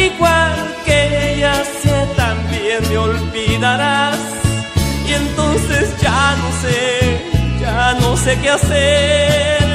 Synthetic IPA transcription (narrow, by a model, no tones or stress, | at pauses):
iɣwalkeʝaset̪ambjenmeolbiðaɾas | jent̪onsesd͡ʒanose | d͡ʒano̞sekease | ɾ